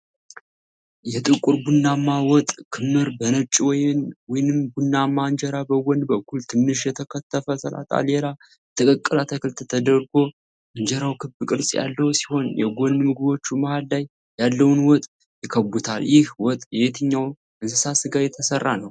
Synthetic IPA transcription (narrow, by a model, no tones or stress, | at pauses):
jɛt̪ʼɨkʼuɾbunːamːawɔt̪ʼkʰɨmːɨɾbənət͡ʃʼːiwɔjnwɔjnɨmbɡunːamːaɨnd͡ʒɛɾabəwɔnd̪bəkʷːult̪ʰɨnːɨʃjɛt̪ʰəkʰət̪ʰːəfəsəla̰t̪ʼa̰lela | t̪ʰəkʼəkʼːɨlat̪ʰəkʰɨlt̪ʰət̪ʰəd̪əɾɡo̞ | ʔɨnd͡ʒɛɾawkʰɨbɨkʼɨɾsʼja̰lːəwusi̥ho̞njɛɡɔnmɨɡɨβo̞t͡ʃːumahaldaj | jalːəwnwɔt̪ʼ | jɪkʰəbut̪ʰaljɪhwɔt̪ʼjɛet̪ʰɨɲːaw | ʔɨnsɨsasɨɡajɛt̪ʰəsərːanəw